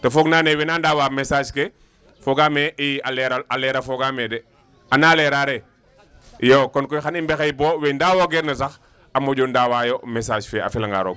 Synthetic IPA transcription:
tɔfɔːɡnaːnɛwɛnaːndaːwaːmɛsaːʃke | fɔɡaːmɛʔialɛɾaalɛːɾɐfɔɡaːmɛdɛ | anaːlɛɾaɾɛ | joːkɔnkɔjxanimbɛxɛjbɔːwɛndaːwoɡɛɾnɐsɐx | ɐmɔɟɔndaːwaːjɔmɛsaːʃfɛɐ̰filɐŋɡa̰ːɾɔ̰ɡ̚

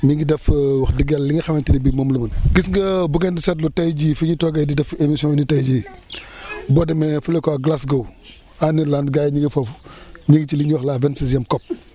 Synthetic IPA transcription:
miɡidɛfwɐxdiɡɛlːiŋɡɐxɐmɐntidibimomlumɐnɡisŋɡɐbuɡɛndisɛt̚lutɐjd͡ʒifuɲitɔɡɐjdidɛfemisiɔ̃nitɐjd͡ʒi | bɔdɛmɛfulɛkɔaɡlasɡɐw | anilandɡajɲiɡifɐfɲiɡt͡ʃiliɲwɔxlaːvɛntsisjɛmkɔp̚

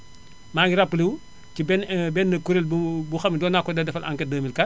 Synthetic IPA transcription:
maːŋɡiɾapːəliwu | cibɛnbɛnːɐkuɾelbubuxɐmːidɔːnːakːɔdɐdɛfɐlʔa̰ŋkɛdəːmilkɐ

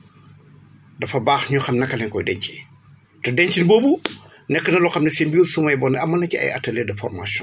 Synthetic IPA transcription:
dɐfɐbaːxɲuxɐmnɐkːɐlɛŋkɔjdɛɲci | tɛdɛɲcinboːbu | nɛkːənɐlɔxɐmnɐsembuːlsumɐjbɔnːɛɐmːɐnɐciɐ̰jɐ̰tːɐlɛdɐfɔ̰rmasjɔ̰̃n

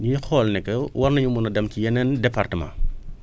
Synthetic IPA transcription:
ɲuxɔːlnɛkːɛwɐɾnɐɲumunɐdɐmcijɛnɛndɛpartəma̰

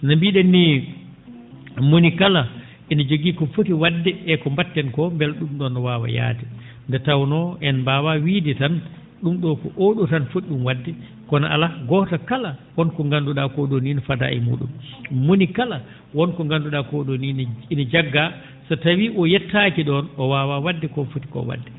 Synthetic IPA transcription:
nambiːɗenːi | monikala | ʔinad͡ʒoɡiːkɔfotiwadːɛʔɛkɔmbatːɛnkɔmbɛlɗumɗɔnɔwaːwa̰ja̰ːtɛ | ndɛtawnɔʔɛnbaːwawiːditan | ɗumɗɔkɔ̰ʔoɗutanfotɗumwadːɛ | kɔnaʔa̰laɡɔtakalawɔnkɔŋɡanduɗakoɗoninɔfada̰ʔɛ̰mṵːɗṵmːonikala | wɔnkɔŋɡanduɗakoɗonininad͡ʒaɡːa | satawiʔɔjɛtːakiɗɔnɔwaːwawadːɛkɔnfoti̥kɔ̰wa̰dːɛ

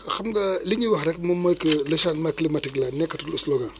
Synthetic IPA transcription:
xamɡaliɲiwaxɾɛkmɐmojkəlʃanmaklimatiklanɛkːatulisloɡa

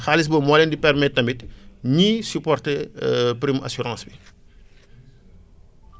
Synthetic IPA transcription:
xalis̬bɔmɔːlɛndipɛrmɛt̚ːɐmbitɲisypɔrtepɾima̰syɾɑ̃ːsbi

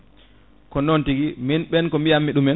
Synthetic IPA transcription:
kɔnɔntiɡiminɓɛnkɔmijamːiɗumɛn

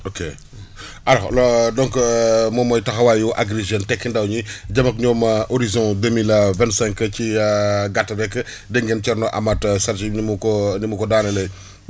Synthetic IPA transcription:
oke | ʔɐlɔlɔdɔŋkmɔmɔjtɐxɐwaːjuʔaɡɾeʒɛntɛkːindɐwɲiɟɐmɐk̚ɲɔːmɐʔoɾizɔ̃dəmilɐvɛ̃ntsɛ̃ŋkəciɡatːɐɾɛkːə | dɛŋɡɛncɛɾnɔʔa̰mɐtsɐɾtinimukɔnimukɔdaːnɛlɛj

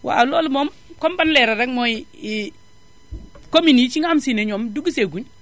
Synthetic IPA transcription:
wʔa̰alolumom | kombanleɾadaŋmoji | kominit͡ʃiŋamsineɲomduɡuseɡuɲ

